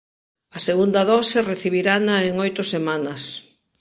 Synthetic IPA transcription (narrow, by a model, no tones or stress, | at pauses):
ɐseɣund̪ɐðɔsereθiβiɾanaeŋojt̪ʊsemanɐs